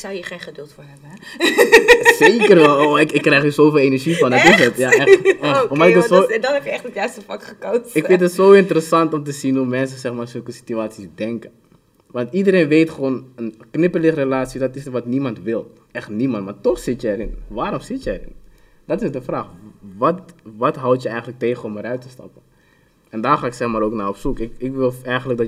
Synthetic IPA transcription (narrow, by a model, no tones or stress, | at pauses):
sawjiχejnχədʏlˠtfʊːɹɦɛbə | sejkkərʋɛloɪkɪkːrɛjχəsowfeːlˠenɛɹʒifɑndɔtɪsətjaɛafɔːɹmɛjɪəodɔnɛpjəɛχtətjœɥstəfɑkχəkowɪkfɪ̃ntətsowɪntəɾəsɑntɔmtəzinumɛns̬əsɛχmaːsɵlˠkəsi̥tyaːtsisdɛŋkən | ʋɑntidəɾenʋejtχəʋoːnənknɪpəlɪχrelaːtsidɑtɪsəʋɑtnimɑntʋɪlˠ | ɛχtnimɑntmaːtɔχsɪtjəɛɾɪnʋaːɾɔmsɪtjəɛɾɪ̰n | dɑtɪsdəfraːχʋɑtʋɑtɦɑwtjəɛjχəntlək̚teːχəɔməɾœɥtəstɑ̰pən | ɛndaːrχaːɪksɛχmaːɾoːknaːrɔpsukɪkɪkʋɪlˠɛjχənlək̚dɑ